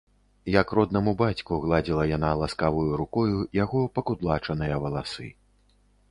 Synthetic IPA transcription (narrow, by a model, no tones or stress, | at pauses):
jɐkrɔd̪nɐmubat͡sʲkuɣlˠad͡zʲilˠɐjanalˠaskavujuɾukɔjujaɣɔpɐkud̪lˠat͡ʂɐnɨjɐvɐlˠasɨ̰